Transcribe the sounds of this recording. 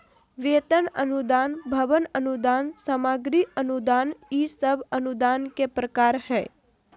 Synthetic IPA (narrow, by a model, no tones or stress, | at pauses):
ʋeːt̪ənə̰nud̪aːnbʱəʋənənud̪aːnsəmaːɡɾiʔənud̪aːnisəbənud̪aːnkepɾəkaːɾhɛː